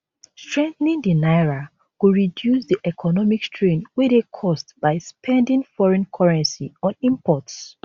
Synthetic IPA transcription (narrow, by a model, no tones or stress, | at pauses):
stɹɛ̃nθnĩndinaɪɹa | kuɹidjusdiʔɛkʰɔnɔmikstɹẽnwedekʰɔstb̥aɪspʰɛ̃ndĩnfɔɹɛ̃nkʰɔɹɛ̃nsiɔ̃nĩmpʰɔts